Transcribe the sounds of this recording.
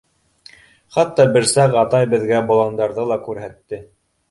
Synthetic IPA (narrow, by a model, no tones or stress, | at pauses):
χɑt̪ːɑbɘ̆ɾsɑqɑt̪ɑjbɘ̆ðɡæbŏlˠɑnd̪ɑɾðɤlˠɑkʉɾɦæt̪ːɘ